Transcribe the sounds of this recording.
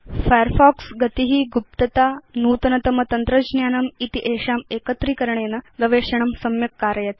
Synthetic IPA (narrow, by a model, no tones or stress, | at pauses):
fajəɾfɔːksɡɐt̪iɦiːɡup̚t̪ɐt̪aːnuːt̪ɐnɐt̪ɐmɐt̪ɐnt̪ɾɐd͡ʑnjaːnɐmit̪iʔeːʂaːmeːkɐt̪ɾiːkɐɾɳeːnɐɡɐʋeːʂɐɳɐmsɐmjɐkːaːɾjɐt̪